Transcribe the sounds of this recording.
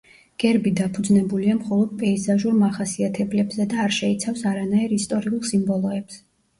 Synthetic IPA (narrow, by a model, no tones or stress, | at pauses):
ɡ̥ɛɾbid̪apʰud̪znɛbuliamχɔlˠɔd̪̥̚pʼɛizaʒuɾmaχasiat̪ʰɛblɛbzɛd̪aːɾʃɛit̪sʰafsaɾanaiɾist̪ʼɔɾiulˠsimbɔlˠɔɛbz̥ɛ